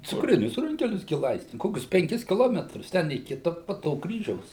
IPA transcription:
t͡sʊkˈrʲɪnʲʊs ˈrʊŋʲkʲɛlʲʊs ˈɡʲɪ ˈlˠɐɪsʲtʲɪ ˈkoːkʲʊs pʲɛŋʲˈkʲɪs kʲɪˈlˠoːmʲɛtrʊs ˈtʲɛn iː ˈkʲɪtɐ poː ˈtoː ˈkrʲiːʒʲɛʊs

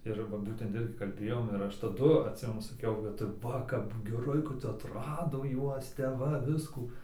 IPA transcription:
ɪr ˈʋɐ ˈbuːtʲɛnt ˈɪrʲɡʲɪ kɐlʲˈbʲeːjoːm ɪr ˈɐʃ tɐˈdʊ ɐtʲˈsʲɪmʲɛnʊ sɐˈkʲɛʊ kɐt ˈʋɐ kɐp ɡʲɛˈrɐɪ kɐt ɐtˈrɑːdoː ˈjuɔs tʲɛp ˈʋɐ ˈʋʲɪskuː

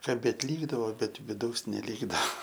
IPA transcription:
kɐˈbʲeːt ˈlʲiːɡdɐʋoː ˈbʲɛt ʋʲɪˈdɐʊs nʲɛˈlʲiːɡdɐʋɐ

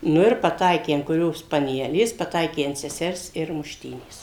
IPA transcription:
ˈnʊ ɪr pɐˈtɐɪkʲeː ɐnt kʊˈrʲoːs pɐˈnʲæːlʲeːs pɐˈtɐɪkʲeː ɐnt sʲɛˈsʲɛrs ɪr mʊʃʲˈtʲiːnʲeːs

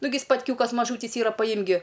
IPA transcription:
ˈnʊɡʲɪ spɐtʲˈkʲuːkɐs mɐˈʒuːtʲiːs ˈiːrɐ pɐˈjɪmk ɡʲɪ

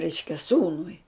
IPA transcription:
ˈrʲɛɪʃʲkʲɛ ˈsuːnʊɪ

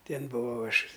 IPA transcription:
ˈtʲeːn bʊˈʋɐʊ ˈɐʃ

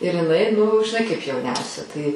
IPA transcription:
ɪr ɪˈnɐɪ nʊ ʒʲɪˈnɐɪ kɐɪp jɛʊˈnʲɛʊsʲɛ tɐɪ

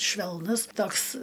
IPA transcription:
ʃʲʋʲɛlˠˈnʊs ˈtoːks

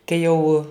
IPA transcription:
ˈkɐɪ jɛʊ

